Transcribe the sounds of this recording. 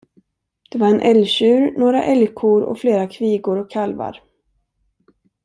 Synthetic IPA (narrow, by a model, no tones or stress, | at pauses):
d̪̥ɛvaɾɛnʔɛlɕʉ̟ːɾnoːɾa̰ʔɛljkʰʊɾɔ̰fleːɾakʰviːɡʊɾɔkʰːalva̰ɾ